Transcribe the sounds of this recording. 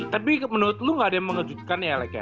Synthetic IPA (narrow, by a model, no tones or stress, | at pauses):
t̪apimənuɾʊt̪̚luŋɡaːdaməŋəd͡ʒut̪̚kanjalakja̰